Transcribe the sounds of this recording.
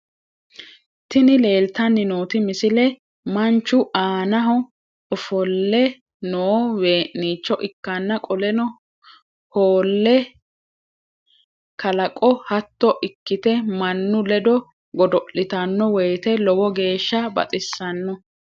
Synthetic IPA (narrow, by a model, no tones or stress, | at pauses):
t̪ɪnɪle̞ːlt̪ɐnːɪnoːt̪ɪmɪsɪlɛ | mɐnt͡ʃːʊʔaːnɐɦɔ | ɔfɔlːɛ | noːwe̞ːʔniːt͡ʃːɔʔɪkːɐnːɐkʼɔlɛnɔ | hoːlːɛ | kɐlɐkʼɔhɐt̪ːɔʔɪkːɪt̪ɛmɐnːʊlɛd̪ɔ | ɡɔd̪ɔʔɪt̪ɐnːɔwɛjt̪ɛlɔwɔɡe̞ːʃːɐbɐ̰t̪ʼɪsːɐnːɔ